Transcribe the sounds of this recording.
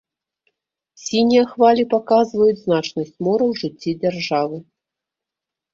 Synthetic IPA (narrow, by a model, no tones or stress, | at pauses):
sʲinʲijɐxvalʲipakazvɐjud͡zʲznat͡ʂnɐsʲt͡sʲmɔɾɐwʐɨt͡sʲːid͡zʲarʐavɨ